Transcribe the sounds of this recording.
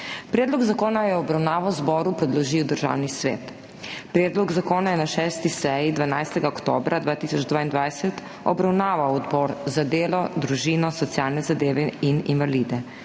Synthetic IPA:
pɾɛːd̪lɔɡzakoːnajɛɔbɾawnaːʋɔwzbɔɾupɾɛd̪lɔʒiːwd̪əɾʒa̰ːwnisʋḛːt̪ | pɾɛːd̪lɔɡzakoːnajɛnaʃɛːst̪isɛjid̪ʋanajst̪ɛɡaɔkt̪oːbɾʔad̪ʋaːt̪isɔd͡ʒd̪vʋaːind̪ʋajsɛt̪ | ɔ̰bɾawnaːʋawɔd̪bɔːɾzad̪eːlɔd̪ɾuʒiːnɔsɔt̪sjaːlnɛzad̪eːʋɛininʋalid̪ɛ

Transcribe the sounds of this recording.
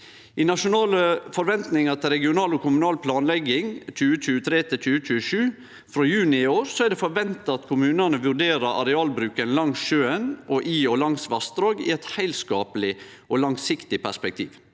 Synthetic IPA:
ɪnɑʂʊnɑːləfɔɾʋɛnt̪nɪŋɑt̪ʰɪlɾɛɡɪʊnɑːlɔkʰʊmʉnɑːlpʰlɑːnlɛɡɪŋt͡ʃʰʉːət͡ʃʰʉːət̪ʰɾeːt̪ʰɪt͡ʃʰʉːət͡ʃʰʉːəʃʉː | fɾoːjʉːnɪɪoːɾsɔæɖ̪ɛfɔɾʋɛnt̪ɑɑt̪kʰʊmʉːnənəʋʉɾɖeːɾəɾʔɑ̰ɾɛɑːlbɾʉːkənlɑŋsʃøːənʔɔʔiːɔlɑŋsʋɑst̪ɾoːɡɪ̰ɛt̪hæɪlskɑːpəlɪ | ʔɔlɑŋsɪkt̪ɪpʰæspɛk̚t̪ʰḭːʋ

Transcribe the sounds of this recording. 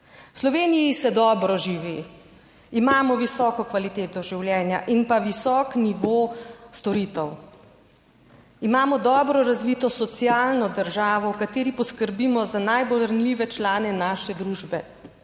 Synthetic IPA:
wslɔʋeːnijisɛd̪ɔːbɾɔʒiʋi | imaːmɔʋisɔːkɔkʋalit̪eːt̪ɔʒiwljɛːnjaʔinpaʋisɔːkniʋost̪ɔɾiːt̪ɛw | imaːmɔd̪ɔːbɾɔɾazʋiːt̪ɔsɔt̪siaːlnɔd̪əɾʒaːʋɔwkat̪eːɾipɔskəɾbiːmɔzanajbolɾanliːʋɛt͡ʃlaːnɛnaːʃɛd̪ɾuːʒbɛ

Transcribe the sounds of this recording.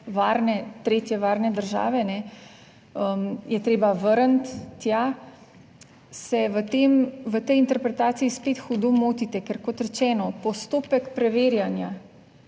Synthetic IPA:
ʋaːɾnɛt̪ɾeːt̪jɛʋaːɾnɛd̪əɾʒa̰ːʋɛnɛ | əmjɛt̪ɾeːbaʋəɾənt̪ːja | sɛʋət̪emʋət̪ɛjint̪ɛɾpɾɛt̪aːt̪siispet̪xud̪omoːt̪it̪ɛkɛɾkɔt̪ɾɛt͡ʃɛːnɔpɔst̪oːpɛkpɾɛʋeːɾjanja

